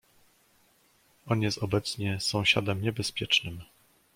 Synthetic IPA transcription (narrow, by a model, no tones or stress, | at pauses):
ɔnjɛst̪ɔbɛt̪sɲɛsɔ̃w̃ɕa̰d̪ɛmɲɛbɛspʲjɛt͡ʂnɘm